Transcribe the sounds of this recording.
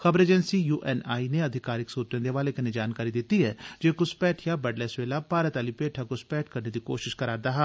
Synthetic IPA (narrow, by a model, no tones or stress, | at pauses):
xəbəɾeːd͡ʒɛnsiːjuːʔɛːnaːineːəd̪ʱɪkaːɾɪksuːt̪ẽːd̪eːʋaːleːkɐned͡ʒaːnkaːɾiːd̪ɪt̪ːiːɦɛːd͡ʒeːkʊspɛːʈʰjaːbəɖlɛːsʋeːlaːpaːɾət̪aːliːpeːʈʰaːkʊspɛːʈʰkəɾneːd̪iːko̰ːʃɪʃkəɾaːd̪aːɦɛː